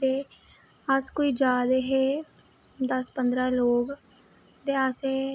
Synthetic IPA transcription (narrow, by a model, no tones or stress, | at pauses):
t̪eː | əskoːiːd͡ʒaːd̪eɦeː | d̪əspənd̪ɾaːloːɡ | t̪easeː